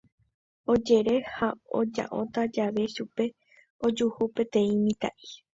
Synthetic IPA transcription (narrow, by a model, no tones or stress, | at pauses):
o̞d͡ʒe̞ɾe̞hao̰d͡ʒa̰ʔõ̞t̪ad͡ʒaʋe̞ʃupe̞ | o̞d͡ʒuhupe̞t̪ẽ̞ĩmĩt̪a̰ʔi